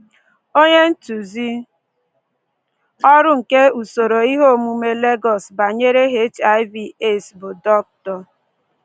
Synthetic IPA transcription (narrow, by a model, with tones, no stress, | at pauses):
o˦ɲe˦n̩˦tu˨zi˦ | ɔ˦ɾʊ˦ŋ̩˨ke˦u˨so˨ɾo˨i˦ɦo˦˨mu˦me˦le˦ɡɔ˨sba˨ɲe˦ɾe˦ɦe˦t͡ʃa˦ɪ˦vi˨e˦sbʊ˨dɔ˦k̚tɔ˨